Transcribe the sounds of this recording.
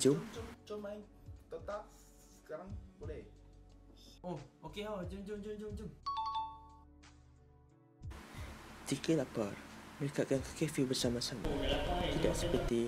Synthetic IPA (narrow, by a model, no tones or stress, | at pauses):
d͡ʒut͡ʃɔmaiŋ | t̪ot̪aʔ | ə̥kaɾaŋbolɛh | ohokeɦod͡ʒuŋd͡ʒuŋd͡ʒuŋd͡ʒuŋd͡ʒuŋ | tikəlapərməɾikaʔkankḁkefibərsamasama̰t̪idaʔsəpət̪i